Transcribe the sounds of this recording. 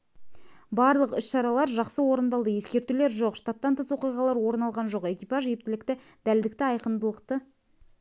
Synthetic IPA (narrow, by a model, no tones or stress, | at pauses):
bɑɾlˠəqʏsʃɑɾɑlˠɑɾʒɑqsəwo̞ɾənd̪ɑlˠd̪əje̞skʲe̞ɾt̪ule̞ɾʒo̞qʃt̪at̪ːɑnt̪ʰəswo̞qijʁɑlˠɑɾwo̞ɾnɑlˠʁɑnʒo̞qe̞kʲijpɑʒjep̚t̪ɪlɪkt̪ɪ | d̪æld̪ɪk̚t̪ɪɑjqəmd̪əlˠəqt̪ə